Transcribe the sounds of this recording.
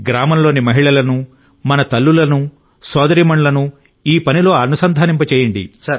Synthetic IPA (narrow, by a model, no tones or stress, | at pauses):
ɡɾaːmɐmlo̞ːnimɐɦiɭɐlɐnu | mɐnɐt̪ɐlːulɐnu | sɔːd̪ɐɾiːmɐɳlɐnu | iːpɐnilo̞ːɐnusɐnd̪ʱaːnimpɐt͡ʃɛːjɐɳɖḭ